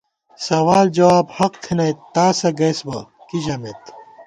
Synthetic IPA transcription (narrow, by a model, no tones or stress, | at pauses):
sɐwaːld͡ʑɐwaːbhɐq̚t̪ʰinɐjt̪aːsɐɡɐjsbɐkiʑɐmet̪